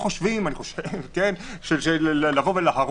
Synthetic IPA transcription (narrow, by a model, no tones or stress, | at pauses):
χoʃvimaniχoʃevkenʃelʃellːavo̞velaɦaʁ